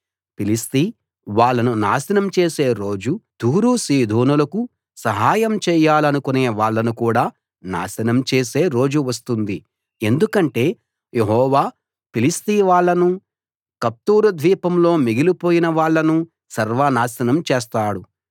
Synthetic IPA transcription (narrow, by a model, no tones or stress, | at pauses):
pilist̪i | ʋaːɭːɐnunaːsɐnɐmt͡ʃeːse̞ːɾo̞ːd͡ʒud̪̥ʱuːɾuːsiːd̪ʱoːnulɐku | sɐɦaːjɐmt͡ʃɛːjaːlɐnukuneːʋaːɭːɐnukuːɽaː | na̰ːsɐnɐmt͡ʃe̞ːse̞ːɾo̞ːd͡ʒuʋɐst̪und̪i | e̞nd̪ukɐɳʈe̞ː | jeɦɔːʋaː | pilist̪iːʋaːɭːɐnu | kɐp̚t̪uːɾud̪ʱʋiːpɐmlo̞ːmiɡilipoːjinɐʋaːɭːɐnu | sɐɾʋanaːsɐnɐmt͡ʃeːst̪aːɽu